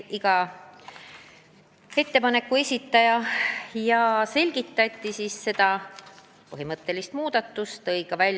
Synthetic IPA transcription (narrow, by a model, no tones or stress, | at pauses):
iɡ̥ɑ | e̞t̪ːe̞pɑne̞kːˑue̞sʲit̪ˑːɑjɑjɑse̞lʲɡ̥it̪ːˑɑt̪ʲːˑisiːsːe̞d̪̥ɑ | pɤɦimɤt̪ːe̞list̪muːd̪̥ɑt̪ːˑust̪ːɤjɡ̥ɑvælʲː